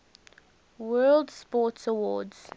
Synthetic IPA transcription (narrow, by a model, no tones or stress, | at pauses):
wɜːldspɔˑtsəwɔːdz̥